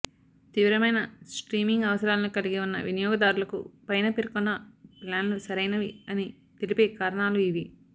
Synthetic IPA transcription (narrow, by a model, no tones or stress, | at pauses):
t̪iʋɾɐmɐjnɐsʈɾiːmiŋɡɐʋɐsɐɾaːlɐnikɐliɡiunːɐ̰ʋinijɔːɡɐd̪aːɾulɐkṵpɐjnɐpeɾkunːɐplaːnlusɐɾɐjnɐʋiɐni | t̪elipeːkaːɾɐɳaːluiʋi